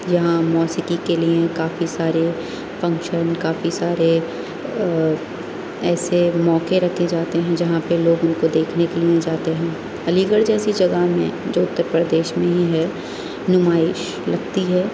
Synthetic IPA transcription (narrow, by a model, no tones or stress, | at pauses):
jɐɦãmɔːsɪkikeliẽkaːfisaːɾe | fɐ̃ŋkʃənkaːfisaːɾe | ɛːsemɔːkeɾɐkʰːed͡ʒaːt̪eɦɛ̃d͡ʒɐɦãpeloːɡʊnkod̪eːkʰnekeliẽd͡ʒaːt̪eɦɛ̃ː | ɐliːɡəɽd͡ʒɛːsid͡ʒɐɡaɦmḛ̃d͡ʒoːʊt̪ːəɾpɾəd̪eːʃmẽɦiɦɛ | nʊmaːɪʃ | lɐɡt̪iɦɛː